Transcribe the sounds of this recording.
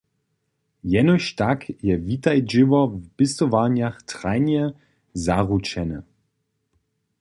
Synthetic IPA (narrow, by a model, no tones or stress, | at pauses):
jɛnoʃtakʰjɛvitajd͡ʒɪvɐb̥ɪstovaːnjaχtʁ̥aɪnjə | zaʁut͡ʃɛnə